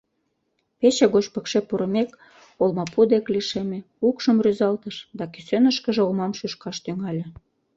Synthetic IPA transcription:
pet͡ɕeɣot͡ɕpə̆kʃepuɾə̆mek | olmɑpud̪ekliʃemʲĕ | ukʃə̆mryzɑlt̪əʃd̪ɑkysønəʃkə̆ʒĕolmɑmʃyʃkɑʃt̪yŋɑlʲĕ

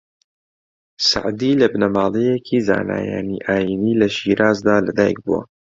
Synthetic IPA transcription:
sa̰ʕd̪ilɐbnɐmaːlˠejekʰiːza̰ːna̰ːja̰ːniʔaːjiːniːlɐʃiːɾʔaːzd̪aːlɐd̪aːjɛ̰k̚buwɐ̰

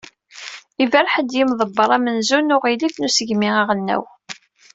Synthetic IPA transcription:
ivæɾħəd̪jimðˤəbːəɾˤæmənzunʊʁiliknusəʝmiæʁənːæ̰w

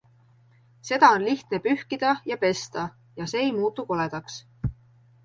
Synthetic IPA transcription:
se̞d̪̥ɑo̞nliht̪ne̞pyhkid̪̥ɑjɑpe̞st̪ɑ | jɑse̞ːejmuːt̪ːˑuko̞le̞d̪̥ɑks

